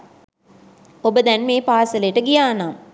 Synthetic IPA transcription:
obəd̪ɛnmeːpaːsələjəʈəɡijaːnaːm

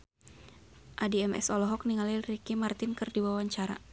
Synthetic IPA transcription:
ʔadiɛmɛ̰sɔlɔɦɔk̚niŋalilrikimart̪ɪnkɨrdiwawaɲt͡ʃaɾa̰

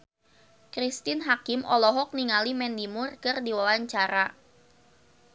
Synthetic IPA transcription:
kɾist̪ɪnɦakɪmʔɔlɔɦɔk̚niŋalimɛndimʊrkɨrdiwawaɲt͡ʃaɾa

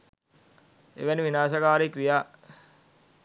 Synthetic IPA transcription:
ḛʋæniʋinaːʃəkaːɾikʋijaː

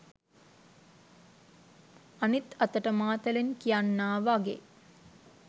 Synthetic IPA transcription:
anit̪at̪əʈəmaːt̪əlenkijanːaːʋaɡḛ

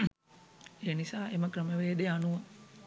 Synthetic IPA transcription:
eːnisaːʔeməkɾəməʋeːd̪ejanuʋə

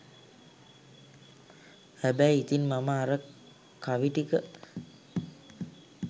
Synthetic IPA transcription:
æbæjit̪inmaməaɾə | kaʋiʈikə

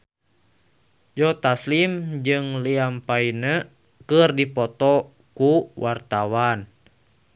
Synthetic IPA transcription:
d͡ʒɔt̪aslimd͡ʒɨŋliampainə | kɨrdipɔt̪ɔ | kuwʔart̪awan

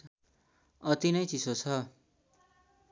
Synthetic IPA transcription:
ʌt̪inʌjt͡sisot͡sʰʌ

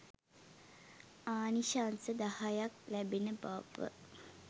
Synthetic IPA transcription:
aːniʃansəd̪ahajak̚læbenəba̰ʋə̰

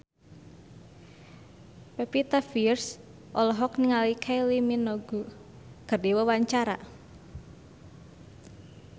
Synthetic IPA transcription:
pɛpit̪afirs | ʔɔlɔɦɔkniŋalikʰajliminɔɡu | ɡ̥ərdiwəwaɲt͡ʃaɾa̰

